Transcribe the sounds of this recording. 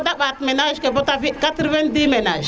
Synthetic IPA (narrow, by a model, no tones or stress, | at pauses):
daɓatmenaʃkebotavikatɾwendimenaʒ